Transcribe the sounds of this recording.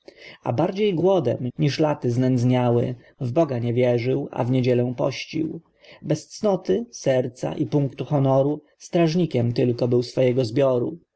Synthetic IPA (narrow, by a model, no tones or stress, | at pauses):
a̰baɾd͡ʑejɡwɔd̪ɛ̰mɲiʂlat̪ɘznɛnd̪zɲawɘ̰ | vbɔɡaɲɛvʲjɛʐɘwa̰vɲed͡ʑɛlɛ̃pɔ̰ɕt͡ɕḭw | bɛst̪snɔt̪ɘsɛɾt̪sa̰ʔipuŋkt̪uxɔnɔɾu | st̪ɾaʐɲikʲɛmt̪ɘlkɔbɘwsfɔjɛɡɔzbʲjɔɾṵ